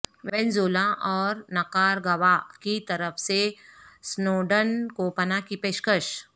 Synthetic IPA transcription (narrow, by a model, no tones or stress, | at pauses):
ʋɛ̃nzoːlaʔɔːɾnɐkaːɾɡɐʋakit̪ɐɾəfʰsesnoːɖənkoːpənakipeːʃkəʃ